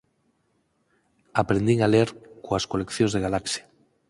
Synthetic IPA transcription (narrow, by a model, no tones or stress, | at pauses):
apɾend̪iŋaleɾkoaskolekθjonzðeɣalaksja